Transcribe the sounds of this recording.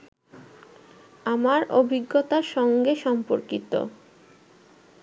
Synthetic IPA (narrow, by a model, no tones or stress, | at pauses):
amaɾobʱiɡːot̪aɾʃɔŋɡeʃɔmpoɾkit̪o̰